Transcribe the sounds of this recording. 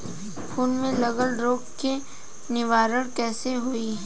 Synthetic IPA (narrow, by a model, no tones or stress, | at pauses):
pʰuːnmẽlɐɡəlɾoːkke | nɪʋaːɾəɽ̃kɛːseɦoiɦ